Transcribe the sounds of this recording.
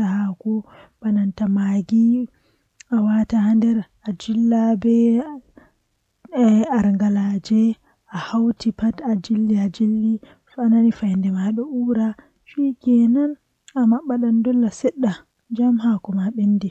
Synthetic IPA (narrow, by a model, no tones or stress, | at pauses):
ahakɔbanantamaɡi | awatahandɛɾ | ad͡ʒilːabɛ | aɾŋɡalad͡ʒɛ | ʔahawtʰipatad͡ʒilːiad͡ʒilːi | fananifajndɛmaɗɔʔuɾa | ʃikɛnan | amaɓːaɗandɔlːasɛɗːa | d͡ʒamhakɔmaɓenːdi